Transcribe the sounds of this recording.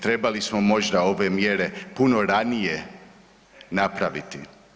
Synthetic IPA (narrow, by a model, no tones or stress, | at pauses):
t̪ɾe̞balismo̞mo̞ʒd̪ao̞ʋemjeɾe̞puno̞ɾanije | napɾaʋit̪i